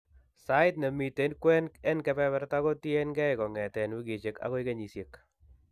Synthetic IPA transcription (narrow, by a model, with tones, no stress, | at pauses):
sa˦ɪt̪nɛ˨mi˨t̪e˨nkwɛ˦nɛ˦nkɛ˦pɛ˦bɛ˦ɾta˦ɡo˦tje˦nɡɛ˦ɪkɔ˨ŋɛ˨tɛ˨nwi˦ɡi˨t͡ʃe˨ka̰˦ɡo˦ɪ˦ke˦ɲi˨sje˨k